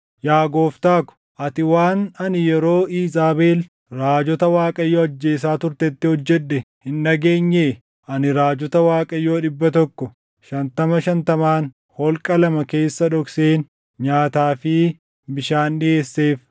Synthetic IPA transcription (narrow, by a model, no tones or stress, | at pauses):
jaːɡoːft̪aːkʊ̥ | ʔɐt̪ɪwaːnɐnɪjɛɾo̞ːiːzaːbeːl | ɾaːd͡ʒɔt̪ɐwaːkʼɐjːoːɐd͡ʒːeːsaːt̪ʊɾt̪ɛt̪ːɪhɔd͡ʒːɛᶑːɛhɪnːɐɡe̞ːɲːeː | ʔɐnɪɾaːd͡ʒɔt̪ɐwaːkʼɐjːoːᶑɪbːɐt̪ɔkːɔ | ʃɐnt̪ɐmɐʃɐnt̪ɐmaːn | hɔlkʼɐlɐmɐke̞ːsːɐᶑɔkseːn | ɲaːt̪aːfɪ | bɪʃaːnɗɪe̞ːsːeːf